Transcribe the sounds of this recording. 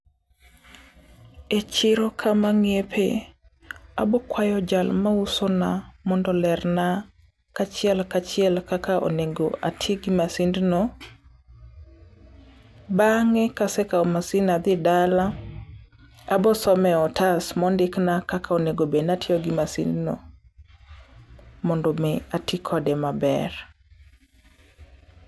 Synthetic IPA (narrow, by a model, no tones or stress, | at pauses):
et͡ʃɪɾɔkʰamaŋepʰe | abɔkwajɔd͡ʒalmausɔnamɔndɔlɛrna | kat͡ʃɪɛlkat͡ʃɪɛlkakaʔo̰neɡoʔatʰɪɡɪmasindnɔ | baŋɛkasɛkaɔmasinad̪ɪdala | abɔsɔmɛɔtasmɔndɪknakakaoneɡobenatʰɪɔɡimasḭndno̰ | mɔndɔmɛatikʰɔdɛmabɛr